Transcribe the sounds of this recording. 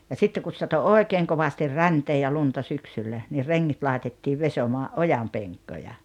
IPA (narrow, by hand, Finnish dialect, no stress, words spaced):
jɑ sitːeŋ kus sɑto oˑekeːŋ koʋɑstir rænteː jɑ luntɑ syksylːæ ni reŋːit lɑetetːiːʋ ʋesomɑːʔ ʔojɑmpeŋkːojɑ